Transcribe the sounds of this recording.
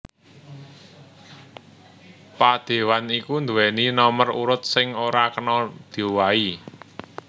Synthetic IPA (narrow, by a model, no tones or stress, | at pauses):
pad̪̥e̤wanikund̪uwɛninɔmərṵɾʊt̪̚sɪŋoɾakənɔd̪̥e̤wai